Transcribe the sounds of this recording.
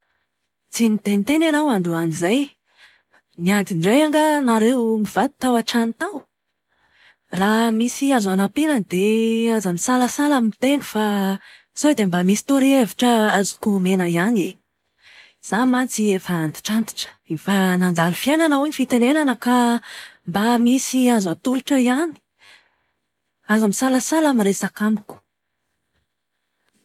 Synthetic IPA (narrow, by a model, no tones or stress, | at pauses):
t͡sinit̪enit̪enanawand̪uanizaj | niant̪inɖ͡ʐejaŋɡənaɾewmiv̥ad̪i̥t̪awaʈ͡ʂanit̪aw | ramisiazanapiɾənd̪eazənisaləsalamint̪enifa | z̥oed̪embamisi̥t̪uɾieviʈ͡ʂəazu̥kumenəiane | z̥amant͡siefaand̪i̥ʈ͡ʂant̪i̥ʈ͡ʂə̥efanand͡z̪aɾufiananaaɲifit̪enenanəkambamisiazat̪uluʈ͡ʂəiani̥ | azamisaləsalamiɾesakamiku̥